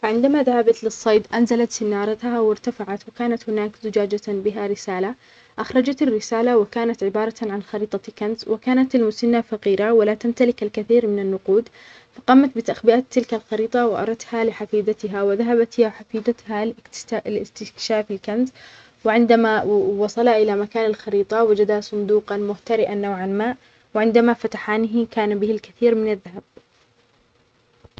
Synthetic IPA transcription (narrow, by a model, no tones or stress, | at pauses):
faʕɪnd̪amaðahabat̪lɪsˤːɑjd̪ʔanzalat̪sɪnːɑːɾˤɑt̪hawɪɾt̪afaʕat̪wɪkaːnat̪hʊnaːkzʊd͡ʒaːd͡ʒabɪɦaɾɪsaːla | ʔaxɾˤɑd͡ʒat̪ɪrːɪsaːlawɪkaːnat̪ʕɪbɑːɾˤɑʕanxɑɾiːt̪ˤɑkanzwɪkaːnat̪almʊsanːafɑqiːɾawalat̪amt̪alɪkalkaθiːɾmɪnanːʊquːd̪ | fɑqɑːmat̪̚bɪt̪aʔxbɪʔaːt̪ːɪlkalxɑɾiːt̪ˤɑwɪʔɑ̰ɾˤɑt̪halɪħafiːd̪at̪ɪɦawɪðaɦabat̪haħafiːd̪at̪hallɪst̪ɪkʃaːfɪlkanz | wɪʕɪnd̪amawɑsˤɑlaʔɪlamakaːnalxɑɾiːt̪ˤɑwad͡ʒad̪asˤʊnd̪uːqɑnmʊht̪aɾɪʔanːawʕanmaːʔ | wɪʕɪnd̪amafat̪aħaːnɪɦkaːnabɪhɪlkaθiːɾmɪnaðːaɦab̚